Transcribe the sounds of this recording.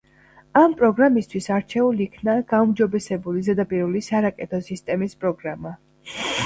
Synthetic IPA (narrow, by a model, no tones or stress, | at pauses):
ampʼɾɔɡɾamist̪ʰwisaɾt͡ʃʰɛuliːkʰnaɡ̥aumd͡ʒɔbɛsɛbulizɛd̪apʼiɾulisaɾakʼɛt̪ʰɔsist̪ʼɛmispʼɾɔɡɾama